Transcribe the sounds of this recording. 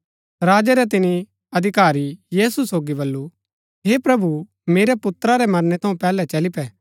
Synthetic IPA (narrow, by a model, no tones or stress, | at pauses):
ɾaːd͡ʒɛɾɛt̪ɪni | ɐd̪ʱɪkaːɾijiːsusoːɡibɐlːu | ɦeːpɾɐbu | meːɾɛpʊt̪ɾaɾɛmɐɾnɛt̪ʰɐũpɛːlɛt͡ʃɐlɪpɛː